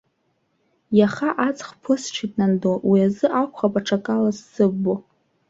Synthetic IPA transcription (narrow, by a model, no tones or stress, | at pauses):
jaχaʔat͡sʼχpʰɨsʈ͡ʂʷʰitʼnandowiazɨʔakʷʰχapʼaʈ͡ʂʰakʼalazsɨbːo